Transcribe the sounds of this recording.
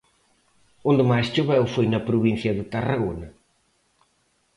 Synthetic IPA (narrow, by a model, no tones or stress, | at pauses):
ũnd̪ɨmajst͡ʃoβɛwfojnɐpɾuβĩnθjɐðɨt̪ɐrɐɣonɐ